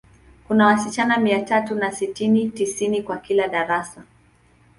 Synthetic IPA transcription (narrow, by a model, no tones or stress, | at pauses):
kunawasit͡ʃanamiatatunasitinitisinikwakilaɗaɾasa